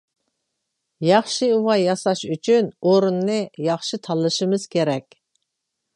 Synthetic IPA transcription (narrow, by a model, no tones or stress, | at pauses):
jɑχʃɨuwɑjɑsɑʃyt͡ʃʰynoɾunːɨjɑχʃɨt̪ʰɑlˠːɨʃɨmɨz̥kʲʰeɾɛkʲ